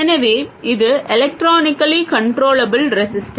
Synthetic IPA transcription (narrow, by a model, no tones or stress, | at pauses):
ɛnɐʋeːɪðɯʔɛlɛk̚ʈɾaːnɪkːɐlikɐɳʈɾoːlɐbɪlɾɛsɪsʈɐ